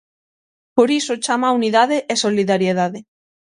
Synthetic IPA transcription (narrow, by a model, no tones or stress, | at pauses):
poɾisot͡ʃamauniðaðeʔːsoliðaɾjeðaðe